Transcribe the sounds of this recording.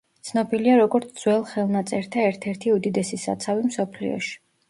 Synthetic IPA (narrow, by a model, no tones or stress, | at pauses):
tt̪sʰnɔbiliaɾɔɡɔɾt̪sʰd̪zwɛlˠχɛlˠnat̪sʼɛɾt̪ʰaɛɾt̪ʰɛɾt̪ʰiud̪id̪ɛsisa̰t̪sʰavimsɔpʰlḭɔ̰ʃi̥